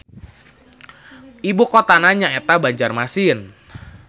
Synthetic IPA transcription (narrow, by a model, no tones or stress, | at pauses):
ibukot̪anaɲaet̪abaɲd͡ʒarmasiən